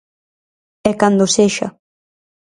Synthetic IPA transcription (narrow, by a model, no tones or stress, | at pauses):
ɛkand̪oseʃɐ̰